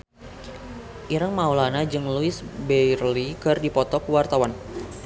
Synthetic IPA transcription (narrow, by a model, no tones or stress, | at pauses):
ʔiɾəŋmaulanad͡ʒɨŋluɪsbɛjrlikɨrdipɔt̪ɔkwart̪awan